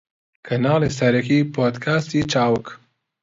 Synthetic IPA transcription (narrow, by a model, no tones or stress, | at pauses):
kʰɐnaːleːs̬ɐɾɐkiːpʰoːd̪kʰaːst̪it͡ʃaːwɨk